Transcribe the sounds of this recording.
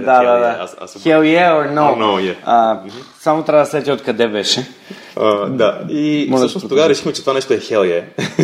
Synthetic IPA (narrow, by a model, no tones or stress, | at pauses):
d̪ad̪ad̪aaa̰sxɛlˠjɛononojɛasamot̪ɾaɐd̪ɐsɛt̪ʲiot̪̚kɐd̪ɛbɛʃɛ | əd̪aimɔzʃnost̪oɡaɾɛʃi̥xmɛt͡ʃɛt̪ovanɛʃt̪oɛxɛlˠjɛ